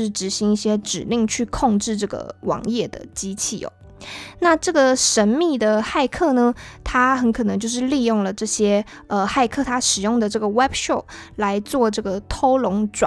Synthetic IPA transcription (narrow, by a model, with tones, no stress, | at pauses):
ɻ̩˥˩ʈ͡ʂɻ̩˧˥ɕi˧˥ŋi˥˩ɕjɛ˥ʈ͡ʂɻ̩˨˩li˥˧ŋt͡ɕʰy˥˧kʰʊ˥˧ŋʈ͡ʂɻ̩˥˧ʈ͡ʂɤ˥˩ɡə̰˩wɑ̰˧˥ŋjɛ˥˩d̪ə̰˩t͡ɕi˥t͡ɕʰi˥˩o̰˨˩ | na˥˧ʈ͡ʂɤ˥˩ɡə˩ʂə˧˥nmi˥˩d̪ə˩xa˥˧ɪkʰɤ˥˩nə˩t̪ʰa˥xə˧˥nkʰɤ˨˩nɤ˧˥ŋt͡ɕjo˥˧ʊʂ̬ɻ̩˥˧li˥˧jʊ˥˩ŋlə˩ʈ͡ʂɤ˥˩ɕjɛ˥ | ə˧xa˥˩˧ɪkʰɤ˥˩t̪ʰa˥ʂɻ̩˨˩jʊ˥˩ŋd̪ə˩ʈ͡ʂɤ˥˩ɡə˩wɛ˥bʂɔ˥˩pla˧˥ɪt͡swɔ˥˧ʈ͡ʂɤ˥˩ɡə˩t̪ʰo˥ʊlʊ˧˥ŋʈ͡ʂwa˨˦